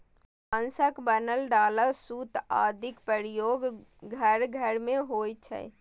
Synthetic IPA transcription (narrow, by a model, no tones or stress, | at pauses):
ə̃nsəkbənəlɖaːləsuːt̪a̰ːd̪ʱɪkpəɾɪjoːɡɡʱəɾɡʱəɾmẽɦoːjt͡ʃʰɛ̰